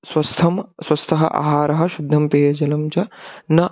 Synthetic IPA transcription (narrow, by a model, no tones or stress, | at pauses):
swɐst̪ʰɐmswɐst̪ʰɐɦɐ̰ʔa̰ːɦaːɾɐɦɐ̆ʃud̪ʱːɐmpeːjɐd͡ʒɐlɐmd͡ʒɐnɐ